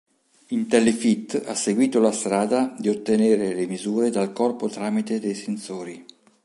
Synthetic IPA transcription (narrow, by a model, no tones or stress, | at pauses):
int̪ɛlːefit̪ːa̰sːeɡwiːt̪olast̪ɾaːd̪ad̪iot̪ːeneːɾelemizuːɾed̪alkɔrpot̪ɾaːmit̪ed̪ejsensoːɾi